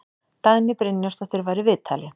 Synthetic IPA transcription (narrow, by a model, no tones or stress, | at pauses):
t̪aðnɪpɾɪnjast̪ɔht̪ɪɾvaːjɾɪvɪðt̪ʰaːlɪ